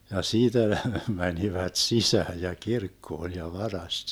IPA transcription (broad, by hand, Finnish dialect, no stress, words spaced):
jɑ siːtæ ne mæniʋæt sisæːj jɑ kirkːoːn̞ jɑ ʋɑrɑst